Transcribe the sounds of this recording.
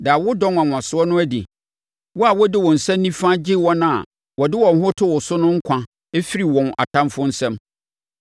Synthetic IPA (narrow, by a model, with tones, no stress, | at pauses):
da˨wʊ˦dɔ̃˦ŋã˨ŋʷ˨ã˨sʊ˦ɔ˦nʊ̃˦æ˦dḭ˨ | wɔ˦a˨wɔ˦dɪ˦wɔ̃˨n̩˨sɛ̃˦m˦nĩ˦fã˦d͡ʑɪ˦wɔ˦nã̰˨ | wɔ˨dɪ˦wɔ̃˨n˨ɦʊ˦tʰʊ˦wɔ˨sʊ˦nʊ̃˦ŋ̩˦kʷʰã˨ | e˦fi˦ɾi˨wɔ̃˨nʔa̰˨tʰã˦mfʊ˦n̩˦sɛ̃˦m